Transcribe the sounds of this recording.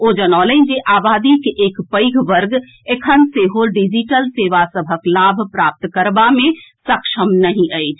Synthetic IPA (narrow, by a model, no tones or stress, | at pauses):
od͡ʒənaːlə̃d͡ʒeʔabad̪ikeʔeːkpəɪɡʰʱʋəɾɡ | ekʰənseɦoɖid͡ʒiʈəlseːʋasəbʱəklabʱpɾap̚t̪kəɾbamẽsəkʃʰəmnəɦĩʔəɪt͡ʃʰ